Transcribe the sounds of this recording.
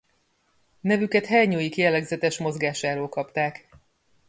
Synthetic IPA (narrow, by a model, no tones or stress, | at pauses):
nɛvykɛt̪hɛrɲoːjikijɛlːɛɡzɛt̪ɛʃmo̞zɡaːʃaːɾoːlkɒpt̪aːk